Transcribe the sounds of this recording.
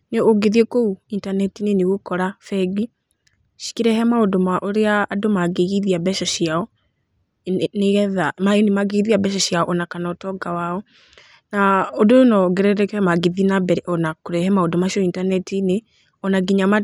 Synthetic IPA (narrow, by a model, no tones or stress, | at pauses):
neoɡeðiekouintanɛtineneɣokɔɾafɛɡi | ʃi̥kiɾɛhɛmaodomaʔɔɾeaːdomaɡeɣiðiabɛʃɔʃiaɔ | neɣɛðamaenemaɡeɣiðiabɛʃ̬ɔʃjaɔʔɔnakanaɔtɔɡawaɔ | naodoonɔɡɛɾɛɾɛkɛmaɡeðinabɛɾɛɔnakoɾɛhɛmaodomaʃiɔintanɛtine | ɔnaɡiɲama